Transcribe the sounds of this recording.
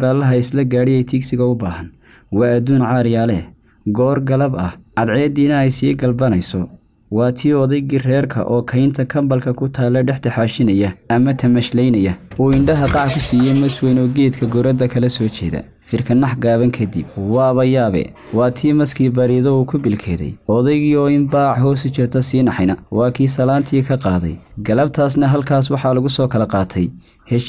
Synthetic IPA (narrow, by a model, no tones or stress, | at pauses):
ɾaːlɐɦɐɪslɐɡaːɽɛjɛjt̪ʰiːksɪɣɐʊbaːɦɐn | wɑːɐd̪uːnʕɑːɾjaːlɛ | ɡɔːrɡɐlɐbɐhʕɑd̪ʕɛːd̪iːnɐɛjsiːɡɐlbɐnɐjsɔ | wɑːt̪ʰiːɔðɛjɡɪrɛːrkʰɐ̰ʔɔːkʰɐjnt̪ʰɐkʰɐmbɐlkʰɐkʰʊt̪ʰaːlɛɖɛħt̪ʰɪħaːʃɪnɐjɐɐmɐt̪ʰɐmɐʃlɛjnɐjɐuːɪɳɖɐɦɐqɑʕkʰʊsiːjɛmɐswɛnɔːɡɛːd̪kʰɐɡɔɾɛd̪ɐkʰɐlɐsɔːt͡ʃʰɛ̰ːðɐ̰ | fɪrkʰɐnːɑħɡaːβɐŋkʰɐd̪ḭb̚wɑːβɐjaːβɛ̰ | wɑːt̪ʰiːmɐskʰiːbɐɾiːðɔuːkʰʊbɪlkʰɛːðɛ̰jɔðɛjɣiːɔɪmbaːʕɦɔːsɪt͡ʃɪrt̪ʰɐsiːnɑħjnɐwɑːkʰiːsɐlaːnt̪ʰiːkʰɐqɑːðɛ̰jɡɐlɐb̚t̪ʰaːsnɐɦɐlkʰaːswɑħɑlʊɣʊsɔːkʰɐlɐqɑːt̪ʰɛj | hɛʃ